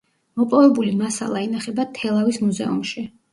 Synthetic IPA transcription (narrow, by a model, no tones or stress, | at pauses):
mɔpʼɔvɛbulimasa̰lˠainaχɛbat̪ʰɛlˠavismuzɛ̰ṵmʃi